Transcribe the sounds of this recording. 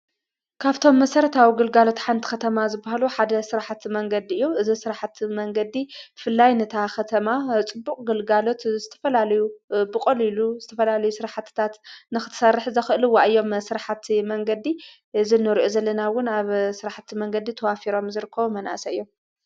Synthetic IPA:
kʰaβt̪ʰo̞mːɐsɐɾɐt̪ʰawiɡɨlɡalo̞t̪ħant̪ʰi̥kʰɐt̪ʰɐmazɨbahaluħad̪ɐsɨɾaħat̪mɐŋɡɐd̪iɨjːoʔɨzisɨɾaħat̪mɐŋɡɐd̪ifɨlːajnɨt̪ʰaxɐt̪ʰɐmat͡sʼɨbːukʼɡɨlɡalo̞t̪zɨt̪ʰɐfɐlalɐjubɨkʼoliluzɨt̪ʰɐfɐlalɐjusɨɾaħat̪t̪ʰat̪nɨxɨt̪ʰsɐrɨħzɐxɨʔɨlɨwːaʔɨjːo̞msɨɾaħat̪mɐŋɡɐd̪i | ɨzinːɨɾiʔozɐlːɐnawʊnaβsɨɾaħat̪ʰmɐŋɡɐd̪it̪ʰɐwafiɾo̞mzɨɾɨkʰːɐβumɐnʔa̰sɐɨjːo̞m

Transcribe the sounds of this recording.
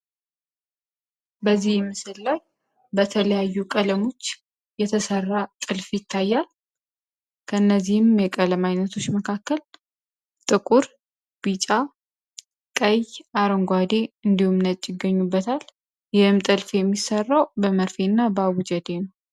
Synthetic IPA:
bəzːihmːɨsɨlːaj | bət̪ʰələjajːukʼələmo̞t͡ʃː | jɛt̪ʰəsərːat̪ʼɨlfjɪt̪ʰːajːal | kʰəɨnːəzːihɪmjɛkʼələmajnət̪ʰo̞t͡ʃːməkʰakːəl | t̪ʼɨkʼuɾ | b̥it͡ʃʼa | kʼəjʔaɾəŋɡʷad̪e̞ɨnd̪ihumnət̪ʼjɪɡəɲːubːət̪ʰal | jɪhɨmt̪ʼɨlfjɛmːisərːawbəməɾfenːabəawud͡ʒɛd̪enəw

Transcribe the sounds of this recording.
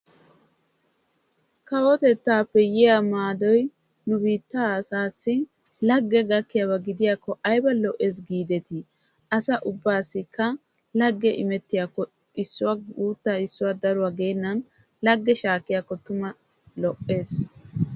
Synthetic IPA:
kɐwɔt̪ɛt̪ːaːpːɛjɪjamaːd̪ɔj | nʊbiːt̪ːaːsaːsːɪ | lɐɡːɛɡɐkːɪjabɐɡɪd̪ɪjaːkːɔʔɐjbɐlɔʔe̞ːs̬ɡiːd̪ɛt̪ɪ | ɐsɐʔʊbːaːsːɪkʰːɐ | lɐɡːɛʔɪmɛt̪ːɪjakːɔ | ɪsːʊwauːt̪ːaɪsːʊwad̪ɐɾʊwaːɡeːnːɐn | lɐɡːɛʃaːkːɪjakːɔt̪ʊmɐ | lɔʔːe̞ːs

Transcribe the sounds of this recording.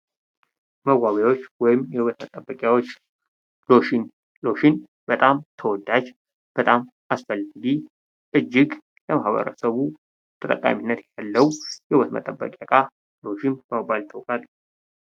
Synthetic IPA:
məɡaβewo̞t͡ʃːwɔjɪmjɛhɨwət̪mət̪ʼːəbːəkʼjawot͡ʃː | lo̞ʃin | lo̞ʃin | bət̪ʼamt̪ʰəwɔd̪ːad͡ʒ | b̥ət̪ʼam | asfəlːaɡi | ʔɨd͡ʒːɪɡ | ləmahβə̰ɾə̰səβu | t̪ʰət̪ʼəkʼːa̰minːət̪jalːəwujɛhɨβət̪mə̰t̪ʼəbːə̰kʼakʼa | lo̞ʃinbəmobajlt̪ʰəwkʼal

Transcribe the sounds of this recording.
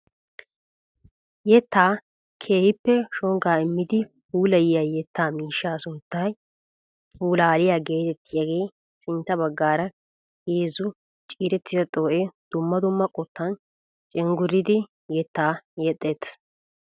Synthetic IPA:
jɛt̪ːaː | kʰe̞ːhɪpːɛʃɔŋɡaːɪmːɪd̪ɪ | huːlɐjɪjajɛt̪ːaːmiːʃːaːsʊnt̪ːɐj | fuːlaːlɪjaːɡe̞ːt̪ɛt̪ːɪjɐɡe̞ː | sɪnt̪ːɐbɐɡːaːɾɐ | heːzʊ | t͡ʃʼiːɾɛt̪ːɪzɐt̪ʼo̞ːʔed̪̥ʊmːɐd̪ʊmːɐkʼɔt̪ʰːɐn | t͡ʃʼɛŋɡʊɾɪd̪ɪ | jɛt̪ːaːjɛt̪ʼːeːt̪

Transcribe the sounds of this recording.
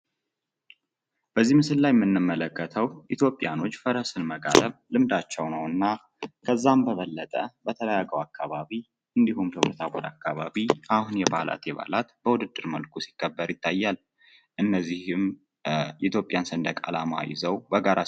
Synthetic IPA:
b̥əzːihmɨsɨllajɛmːɨnːɨmːələkːət̪ʰəwʔit̪ʰjo̞pʼjano̞t͡ʃːfəɾəsɨnməɡa̰ləβlɨmd̪at͡ʃːɛwnəwɨnːa | kʰəzːambəβəlːət̪ʼəbət̪ʰələjaɡəwakʰːaβaβi | ʔɨnd̪ihumt̪ʰəβɾət̪ʰabod̪akːaβaβiʔahunjɛba̰la̰t̪jɛβa̰lat̪b̥əwʊd̪ɨd̪ːɨɾməlkʰusi̥kʰːəbːəɾjɪt̪ʰːajːal | ʔɨnːəzːihɨm | it̪jo̞pʼjansɨnd̪əkʼa̰lama̰jɪ̰zəwbəɡaɾa

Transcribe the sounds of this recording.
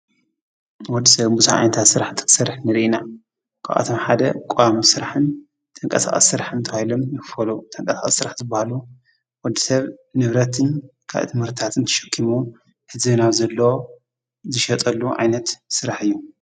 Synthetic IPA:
wɔd̪ːisɐβbuzaʕa̰nɐt̪ʰat̪sɨɾaħt̪ʰɨ̥ksɐɾħnɨɾʔina | kʰa̰ʔa̰t̪ʰomħad̪ɐkʼamisɨɾaħɨn | t̪ʼɐŋkʼɐsa̰χʼɐ̰sɨɾaħɨnt̪ʰɐwahilomjɪkfɐlut̪ʼɐŋkʼɐsakʼɐ̰sːɨɾaħzɨbːahalu | wɔd̪ːisɐβnɨβɾɐt̪ʰɨnkʰa̰βʔt̪ʰɨmhɨɾt̪ʰat̪ɨnt̪ʰɐ̥ʃɐ̥kʰːimu | hɨzbɨnawzɐlːɐo | zɨʃɐt̪ʼɐlːuʕa̰jnɐt̪sɨɾaħɨjːu

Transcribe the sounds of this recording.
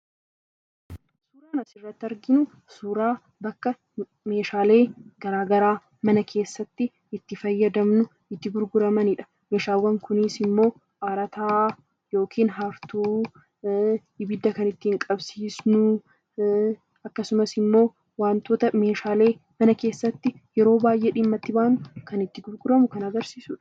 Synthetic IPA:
suːɾaːnɐsɪrːɐt̪ːɐɾɡɪnʊ | suːɾaː | bɐkːɐ | me̞ːʃaːle̞ːɡ̥ɐɾaːɡɐɾaː | mɐnɐkʰe̞ːsːɐt̪ːɪ | ɪt̪ːɪfɐjːɐd̪ɐmnʊ | ɪt̪ːɪɡʊɾɡʊɾɐmɐnɪᶑɐ̥ | me̞ːʃaːwɐŋkʊnɪsɪmːo̞ː | ʔaːɾɐt̪aː | jo̞ːkʰiːnɦɐft̪uː | ɪbɪd̪ːɐkɐnɪt̪ːɪɪŋkʼɐbsiːsnʊ | ɐkːɐsʊmɐsɪmːo̞ː | waːnt̪o̞ːt̪ɐme̞ːʃaːle̞ːmɐnɐke̞ːsːɐt̪ːɪ | jɛɾo̞ːbaːjʔeːᶑɪmːɐt̪ːɪbaːʔnʊkɐnɪt̪ːɪɡʊɾɡʊɾɐmʊkɐnɐɡɐɾsiːsuᶑɐ̥

